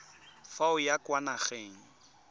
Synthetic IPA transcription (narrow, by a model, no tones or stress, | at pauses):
faʊjakwanaχeːŋ̩